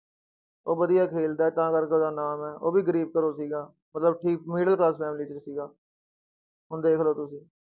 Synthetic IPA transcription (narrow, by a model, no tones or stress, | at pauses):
oːbəd̪ɪjaːkʰeːld̪aːɛːt̪ãːkəɾkeoːd̪aːnaːmɛːʔoːbiːɡəɾiːb̚kəɾoːsiːɡaː | mət̪ləbʈʰiːk̚miːɖəlklaːspɛːmliːt͡ʃəsiːɡaː | ɦʊnd̪eːkʰloːt̪ʊsĩː